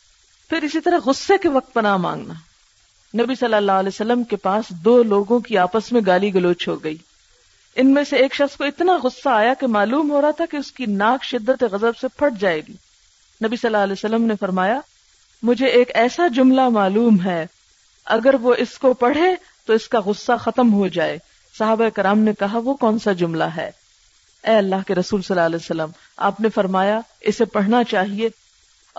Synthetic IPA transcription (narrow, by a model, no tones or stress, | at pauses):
pʰɪɾɪsit̪ɐɾɐɦɣʊsːekeʋɐq̚t̪̚pɐnamã̰ːŋɡnaː | nɐbisɐlːəlːaːlɛːsəlːəmkepaːsd̪oːloːɡõkiaːpəsmẽɡaːliɡʊloːt͡ʃɦoɡɐiː | ɪnmẽseːkʃɐxskoɪt̪naɣʊsːaːjakemaːluːmɦoːɾɐɦat̪ʰakeʊskinaːkʃɪd̪ːət̪eɣɐzəbsepʰɐɽd͡ʒaːeːɡiː | nɐbisɐlːaɐlɛːsəlːəmnefɐɾmaːja | mʊd͡ʒʱeeːkɛːsad͡ʒʊmlamaːluːmɦɛː | ɐ̰ɡəɾʋoʔɪskopɐɽ̤e | t̪oɪskaɣʊsːaxɐt̪əmɦod͡ʒaːeː | sɐɦaːbaeːkɪɾaːmnekɐɦaʋokɔːnsad͡ʒʊmlaɦɛ̰ː | ɛːɐlːaːɦkeɾɐsuːlsɐlːaːlɛːsəlːəm | a̰ːpnefɐɾmaːja | ɪsepɐɽ̤nat͡ʃaːɦieː